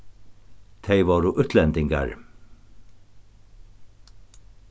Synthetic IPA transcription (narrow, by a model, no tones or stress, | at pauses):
t̪ʰejvaːɾʊʔʏt̪lɛnt̪ɪŋka̰ɹ